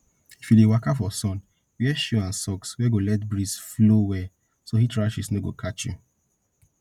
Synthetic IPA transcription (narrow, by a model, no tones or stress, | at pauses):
ifjudewakafɔsɔ̃n | wjɛʃuãnsɔkswɛɡolɛtbɹisflowɛ | sohitɹaʃisnoɡo̰kʰat͡ʃju